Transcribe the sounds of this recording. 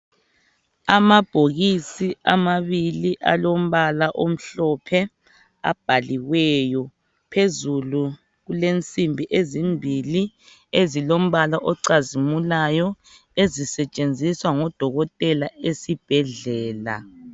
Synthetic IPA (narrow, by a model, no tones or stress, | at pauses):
amab̥ʱoɣisiʔamaβiliʔa̰lom̩βalaʔom̩ɬɔpʰɛ | a̰b̥ʱaliɣwɛjɔ | pʰezulu | ɣulent͡sʼimbʱiʔezimbʱili | ezilom̩βalaʔɔǀazimulajɔ | ezisɛt͡ʃʼend͡zʱiswaŋɔd̥ʱɔɣɔtʼɛlaesib̥ʱɛɮɛːla̰